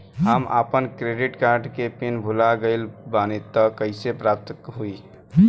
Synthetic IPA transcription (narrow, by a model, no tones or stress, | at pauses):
ɦəmʔa̰pənkɾeɖiʈkaɾɖkepinbʱulaɡəɪlbanit̪ːəkəɪsepɾap̚t̪əkɦui